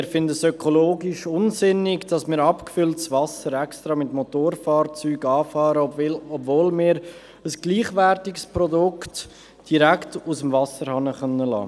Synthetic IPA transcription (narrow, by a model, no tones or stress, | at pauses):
ɪɾfɪndəsøkʰoloːɡɪʃʊnsɪnɪɡd̥ɑsmɪːɾɑpkfʏltsvɑsəɾɛkstɾɑːmɪtmotoːɾfɑːɾt͡syːɡɑːfɑːɾəɔbvoːlmɪːɾ | əsɡ̥liːχvɛɾtɪɡspɾɔdʊkt | d̥iɾæktusəmvɑsəɾhɑnəχœnːəlɑ̰ː